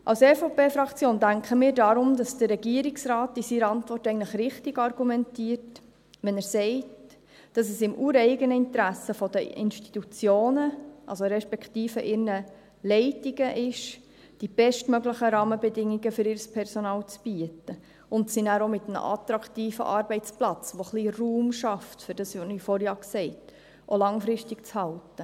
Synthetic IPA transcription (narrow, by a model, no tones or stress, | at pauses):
ʔɑ̰wsɛfopeːfɾɑkt͡sjoːndæŋkχəmiːɾdɑɾʊmd̥ɑsd̥ərːɛɡiəɾɪksɾɑːtːisiɾəɑntvʋɔrtɛɪɡən̩ləχɾɪχtɪɡɑrɡumɛntiəɾt | ʋɛnæɾsɛɪt | d̥ɑs̬ɛsɪmʔuːɾɛɪɡənəɪntɾæsəfɔd̥əɪ̰nʃti̥tut͡sjoːnəʔɑ̰lsoɾɛʃpɛktiːfəʔɪɾnə | lɛɪtiɡəʔɪʃ | d̥ib̥ɛʃtmœɡləχəɾɑːməbɛdɪŋːiɡəfʏɾɪɾəspʰɛɾsɔnɑːlt͡sb̥iətə | ʊntsinæːɾomɪt̪əmə̰ʔɑ̰tɾɑktiːfə̰ʔɑːɾbɛɪt͡splɑt͡sʋoχliruːmʃɑftfʏɾd̥ɑsonifɔɾjɑːksɛɪt | ʔolɑŋfɾɪʃtɪkt͡shɑltə